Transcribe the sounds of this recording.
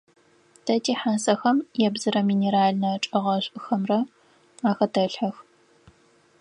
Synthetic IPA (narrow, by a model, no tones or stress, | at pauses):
tʰɐtʰiːħansɐxɐmjɛbzɨɾɐmiːneɾaːɮnɐʈ͡ʂʼɐʁɐɕʷʼʔɨxɐmrɐ | aːxɐtʰɐɬħɐx